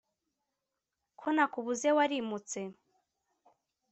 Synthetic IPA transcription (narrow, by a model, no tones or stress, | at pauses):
kʰonakuβuzewaɾimut͡se̞